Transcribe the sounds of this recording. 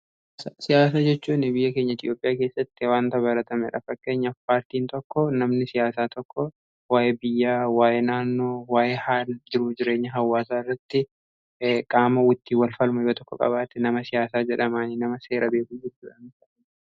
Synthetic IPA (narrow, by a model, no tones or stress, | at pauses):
sɐsɪjaːs̬aːd͡ʒɛt͡ʃːuːnɪbɪjːɐkeːɲːɐɪt̪jo̞ːpʼɪjaːke̞ːsːɐt̪ːɪwaːnt̪ɐβɐɾɐt̪ɐmɛᶑɐ̰fɐkːeːɲːɐpaːɾt̪iːnt̪ɔkːɔnɐmnɪsɪjaːsaːt̪ʰɔkʰːɔ | waːʔɛbɪjːaːwaːjɛnaːnːo̞ːwaːʔɛhaːld͡ʒɪɾud͡ʒɪɾe̞ːɲːɐɦɐwːaːsaːɪrːɐt̪ːɪ | kʼaːmɐwʊt̪ːiːwɐlfɐlmʊjoːt̪ɔkːɔ̰kʼɐ̰baːt̪ɛnɐmɐsɪjaːsaːd͡ʒɛᶑɐmaːnɪnɐmɐse̞ːɾʔɐbe̞ːkud͡ʒɛt͡ʃːuːᶑɐnɐʔ